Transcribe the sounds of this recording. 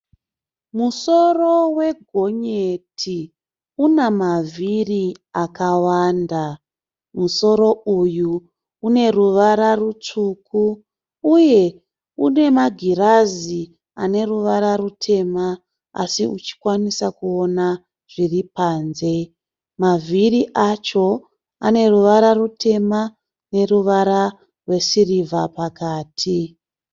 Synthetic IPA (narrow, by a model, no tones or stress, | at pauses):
muso̞ro̞we̞ɡʱo̞ɲetʰi | unamaviriakawanda | muso̞ɾo̞uju | une̞ruʋaɾarut͡ʂukʰuː | je̞ | une̞maɡʱiɾazi | ane̞ruʋaɾarutʰe̞ma | a̰siut͡ʃi̥kwanisakuona | ʐ̥iripaːnze̞ | maviriʔat͡ʃo̞ | ane̞ruʋaɾarutʰe̞ma | ne̞ruʋaɾa | rwe̞sirivʱapakaːtʰi